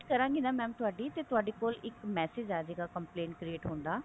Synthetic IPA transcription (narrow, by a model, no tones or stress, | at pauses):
kəɾãːŋɡiːnaːmɛ̃ːt̪ʊɦaːɖiːt̪eːt̪ʊaːɖeːkoːlɪkmɛːseːd͡ʒɛːd͡ʒeːɡaːkəmplẽːɳʈkɾieːʈɦõːnd̪aː